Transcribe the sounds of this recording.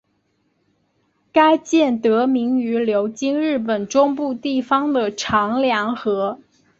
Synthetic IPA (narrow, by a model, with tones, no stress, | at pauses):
ka˥ɪt͡ɕjɛ˥˩nt̪ɤ˧˥mi˧˥ŋy˧˥ljo˧˥ʊt͡ɕi˥ŋɻɻ̩˥˩p̬ə˨˩nʈ͡ʂʊ˥ŋpu˥˧t̪i˥˩fɑ˥ŋd̪ə˨ʈ͡ʂʰɑ˧˥ŋljɑ˧˥ŋxɤ˧˥